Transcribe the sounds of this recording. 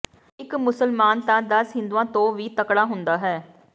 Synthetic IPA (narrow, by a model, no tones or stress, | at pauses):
ɪkmʊsəlmaːnt̪ãːd̪əsɦɪ̃nd̪uːãːt̪õːʋiːt̪əkɽaːɦʊnd̪aːɦɛː